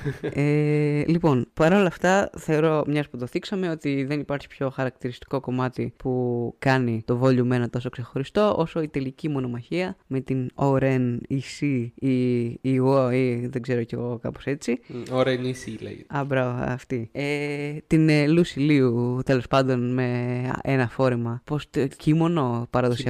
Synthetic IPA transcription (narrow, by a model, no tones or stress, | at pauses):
elipo̞npɐɾo̞lɐft̪ɐθe̞oɾo̞mɲɐsput̪o̞θiksɐme̞o̞t̪iðe̞nipɐɾçi̥pço̞xɐɾɐk̚t̪iɾist̪i̥ko̞ko̞mɐt̪ipukɐnit̪o̞vo̞ʎume̞nɐt̪o̞so̞kse̞xo̞ɾist̪o̞ʔo̞so̞it̪e̞licimo̞no̞mɐçiɐme̞t̪inoɾenisiiiɣoiðe̞ɡze̞ɾoce̞ɣo̞kɐ̰pose̞t͡sioɾenisilḛɐbɾɐvɐɐ̰ft̪iet̪inlusiliut̪e̞lo̞spɐnd̪o̞nme̞enɐfo̞ɾemɐpo̞st̪ocimo̞no̞pɐɾɐðosiɐ